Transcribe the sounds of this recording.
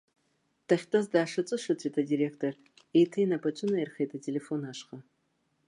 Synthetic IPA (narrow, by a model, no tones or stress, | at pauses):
tʰɐχʲtʼɐzdaːʂɨt͡sʼɨʂɨt͡sʰʷʼitʰadiːɾektʰor | ejtʰejnɐpʰɐt͡ʃʷʰʼʊnɐerχejtʰatʰelefonaːʂχɐ